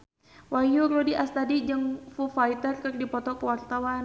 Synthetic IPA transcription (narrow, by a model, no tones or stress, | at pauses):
wajurɔdiʔast̪adid͡ʒəŋfufait̪ərkərdipɔt̪ɔkəwart̪awan